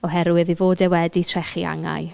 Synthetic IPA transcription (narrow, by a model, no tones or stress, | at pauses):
ɔɦɛɾwɨðivoːdɛwɛditʰr̥ɛχia̰ŋa̰j